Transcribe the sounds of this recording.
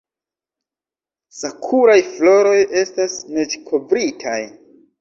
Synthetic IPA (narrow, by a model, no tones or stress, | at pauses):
sakʰuɾajflo̞ɾo̞jʔe̞stasne̞t͡ʃkʰo̞vɾitʰaj